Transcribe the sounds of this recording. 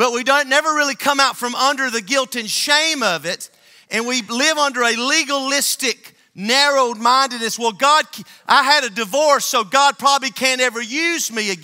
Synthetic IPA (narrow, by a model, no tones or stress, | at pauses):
b̥ʌt̚widõʊ̃nːɛvə˞ɹɪlˠikʰʌ̃maʊtfɹʌ̃mʌ̃ndə˞ðɨɡɪlˠtɨ̃nʃẽɪ̃mʌvɪɾ | ɨ̃nwilɪvʌ̃ndə˞ɨliɡəlɪstɪk̚ | nɛɹoʊmãɪ̃ndɨdⁿnɨswɛlˠɡɑd̚ʰʔaɪɨɾɨdɨvɔɹsoʊɡɑd̚pʰɹ̥ɑbəblikʰɨ̃nɛvə˞jʉzmiɨɡ